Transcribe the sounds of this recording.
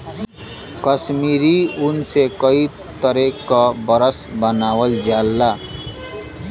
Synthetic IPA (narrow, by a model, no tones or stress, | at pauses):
kʌsmiɾiunsekʌi | t̪ʌɾekʌbʌɾʌsbʌnawʌld͡zalːa